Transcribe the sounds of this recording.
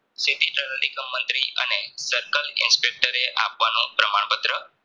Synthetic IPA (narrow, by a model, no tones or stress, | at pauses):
siʈiʈənəlikəmːənt̪ɾiʔə̰nesəɾkəlɪ̰nspek̚ʈəɾeʔa̰pʋanũpɾəmaɳpət̪ɾə